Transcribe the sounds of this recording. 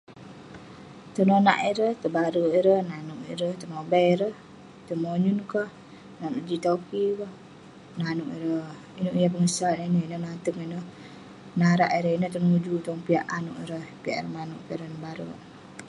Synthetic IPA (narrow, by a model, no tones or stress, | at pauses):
t̪ənona̰ʔiɾəht̪əbaɾəiɾəhnanuʔḭɾəht̪əmobaiɾəh | t̪əmoɲunkəh | nanuʔd͡ʒit̪okibəh | nanuʔḭɾə | inuʔijap̬əŋəsanainəinənat̪əŋinəh | naɾaʔiɾəɦinəht̪ənud͡ʒut̪ɔŋpiaʔanuʔiɾəhpiaʔɛ̰rəmanuʔkəɾənbaɾə̰ʔ